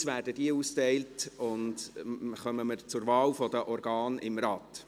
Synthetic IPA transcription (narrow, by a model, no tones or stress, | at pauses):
svʋæːrdəd̥iəuːstɛɪltʊndχœməməɾt͡sʊɾʋɑːlfɔdəʔɔɾɡɑːnɪ̰mɾɑt